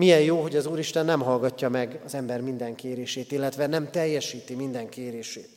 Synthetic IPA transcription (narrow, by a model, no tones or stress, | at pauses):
mijɛjjoːɦo̞ɟɒzuːɾiʃt̪ɛnːɛmɦɒlɡɒcːɒmɛɡɒzɛmbɛrmind̪ɛŋkeːɾeːʃeːt̪ilːɛt̪ʋɛnɛmt̪ɛjːɛʃiːt̪imind̪ɛŋkeːɾeːʃeːt̪